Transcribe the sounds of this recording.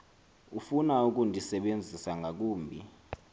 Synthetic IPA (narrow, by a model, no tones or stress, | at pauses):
ufunauk̬ʼundʱisɛɓend͡zʱisaŋɡʱak̬uːmbʱi